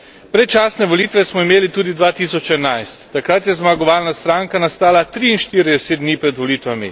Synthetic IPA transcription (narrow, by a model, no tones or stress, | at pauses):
pɾɛt͡ʃaːsnɛʋɔlit̪ʋɛsmɔimeːlit̪uːd̪id̪ʋaːt̪isɔt͡ʃɛnajst̪ːakɾat̪jɛzmaɡɔʋaːlnast̪ɾaːŋkanast̪aːlat̪ɾiːnʃt̪iːɾid̪ɛseːd̪̚d̪niːpɾɛd̪ʋɔliːt̪ʋamḭ